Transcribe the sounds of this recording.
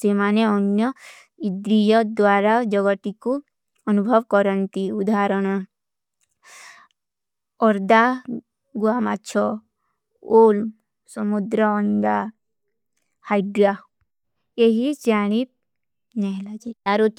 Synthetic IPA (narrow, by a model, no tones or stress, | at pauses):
semaneɔnjɔ | id̪ɾijɔd̪ʋaɾad͡ʒɔɡɔt̪iku | ɔnubʱɔʋkɔɾɔnt̪iud̪aɾɔɽ̃ɔ | ɔɾd̪a | ɡuamatːt͡ʃʰɔ | olm | sɔmud̪ɾɔːnɡ̪a | hajɖɾa | eɦid͡ʒaɽ̃ip̪̚ | nɛɦlad͡ʒeaɾot̪